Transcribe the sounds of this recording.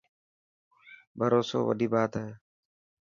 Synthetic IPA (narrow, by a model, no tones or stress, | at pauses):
bʱəɾoːso̰ːʋə̰ɗiːbaːt̪ɦeː